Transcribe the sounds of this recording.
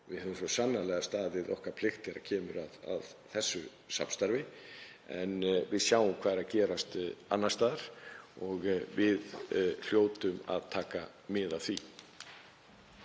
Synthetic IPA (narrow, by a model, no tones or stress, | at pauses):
vɪðhɛːvʏmsɔsanːalɛɣast̪aːðɪðɔhkaɾ̥pʰlɪxt̪ɛɾa̰cʰɛːmʏɾaða̰ðθɛsːʏ | sa̰pnst̪aɾvɪ | ɛ̰nvɪðsjaːwʏmkʰvaːðɾaðcɛːɾast̪a̰nːast̪aːðaɾ̥ɔɣvɪðl̥joːwt̪ʏma̰ðt̪ʰaːka | mɪðawθvi